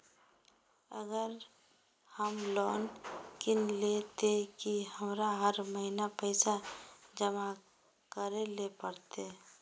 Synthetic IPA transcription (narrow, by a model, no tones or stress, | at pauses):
əɡəɾ | həmlɔːnkɪnlet̪ekihəmɾaɦəɾməɦinapəɪsad͡ʒəma | kəɾelepəɾt̪e